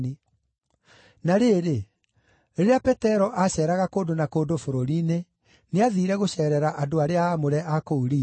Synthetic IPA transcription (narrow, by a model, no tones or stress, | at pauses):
i | naɾeːɾe | ɾeɾeapɛtɛɾɔʔaɕɛːɾaɣakoːdonakoːdofoɾoɾiːne | neaðiːɾɛɣoɕɛɾɛɾaʔadoaɾeaːmoɾɛʔakouɾiː